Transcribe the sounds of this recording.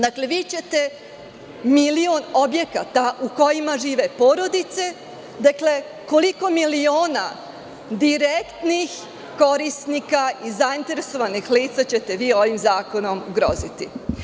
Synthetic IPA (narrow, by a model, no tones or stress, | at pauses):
d̪akle̞ʋit͡ɕe̞t̪e̞ | miliono̞bje̞kat̪aʔuko̞jimaʒiːʋe̞po̞ːɾo̞d̪it̪se̞ | d̪akle̞ | ko̞liko̞milio̞ːna | d̪iɾekt̪nix | ko̞ɾisnikaizaint̪e̞ɾeso̞ʋanixliːt̪sat͡ɕe̞t̪e̞ʋiːo̞ʋimzaːko̞no̞muɡɾo̞̰zit̪i